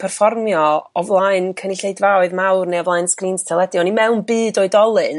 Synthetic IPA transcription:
pʰɛrfɔrmjɔɔvlˠaɨnkʰənɪɬejdvaɔɨðmawrnejɔvlˠaɨnskriːnstʰɛlˠɛdjɔnimɛwnbɨːdoɨdɔlˠɨn

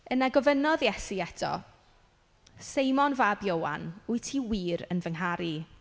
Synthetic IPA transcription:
ənaɡɔvənɔðjɛsiɛtʰɔ̰ | sejmɔnvabjowa̰nʊɨtʰiwiːɾə̰nvəŋɦaɾi

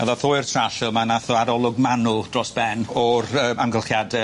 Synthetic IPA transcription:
a̰ðaθoːɨrtʰraɬɛlˠmanaθɔaɾɔlˠʊɡmanʊlˠd̥rɔsb̥ɛnɔrəːaŋɡəlˠχjadɛ

